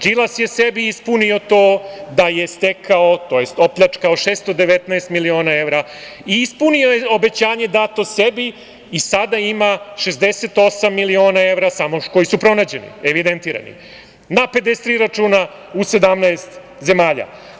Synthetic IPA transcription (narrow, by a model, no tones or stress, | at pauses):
d͡ʒilˠasje̞sebiispunio̞t̪oːd̪aje̞st̪ekʰaot̪oːjest̪o̞pʎat͡ʃkaoʃeːst̪od̪eʋet̪naest̪milio̞ːnae̞ʋɾa | iispuniojeo̞bet͡ɕaːɲe̞d̪at̪osebiː | sad̪aimaʂezd̪eset̪o̞samːilio̞ːnaeʋɾasamoko̞isupɾo̞naːd͡ʑe̞nḭeʋid̪ent̪iːɾa̰nḭ | nape̞d̪est̪ɾiːɾat͡ʂuːna | use̞d̪amnaest̪ | ze̞maːʎa̰